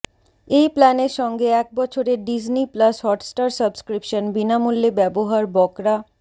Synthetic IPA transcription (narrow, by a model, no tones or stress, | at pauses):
ejplɛneɾʃɔŋɡeɛk̚bɔt͡ɕʰoɾeɖid͡ʑniplashɔʈsʈaɾsəbskɾipʃonbinamulːebɛboɦaɾbɔkɾa